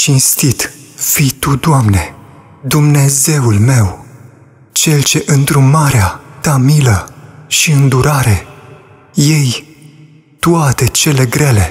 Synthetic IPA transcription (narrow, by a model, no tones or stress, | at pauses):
t͡ʃinst̪it̪fijt̪ud̪amne̞̰ | d̪umne̞ze̞ulme̞w | t͡ʃe̞lt͡ʃe̞ʔɨnt̪ɾumaɾeat̪amiləʃiɨnd̪uɾaɾe̞ | je̞j | t̪uat̪e̞t͡ʃe̞le̞ɡɾe̞le̞